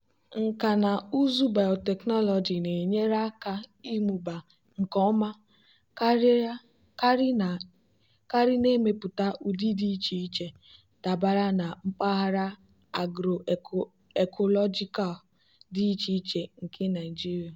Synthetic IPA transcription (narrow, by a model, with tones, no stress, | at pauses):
ŋ̩˨ka˨na˨u˦zu˦ba˨o˨tɛ˨knɔ˦lɔ˨d͡ʒi˨ne˨ɲe˦ɾa˦ka˦i˦mu˨ba˨ | ŋ̩˨kɔ˦ma˦˨ | ka˦ɾɪ˦ne˦me˨pʊ˨ta˦ʔu˨di˦di˦t͡ʃi˨i˦t͡ʃe˨ | ta˨ba˨ɾa˦na˨m̩˦pa˦ɦa˦ɾa˦ | a˨ɡɾo˨ | e˨kʰɔ˨lɔ˦d͡ʒi˦ka˨l | di˦t͡ʃi˦t͡ʃe˨ŋ̩˨kɪ˦na˨i˨d͡ʒi˦ɾi˨a˨